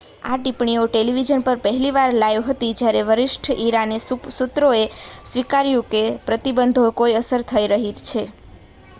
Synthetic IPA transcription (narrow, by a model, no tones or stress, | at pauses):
aʈipɳioʈeliʋid͡ʒənpəɾpəɦɛliʋaɾlajoɦət̪id͡ʒjaɾeʋəɾɪʃʈʰʔiɾanesut̪ɾoesʋikaɾjũkepɾət̪ibənd̪ʱokoiəsəɾt̪ʰəiɾəɦit͡ʃʰe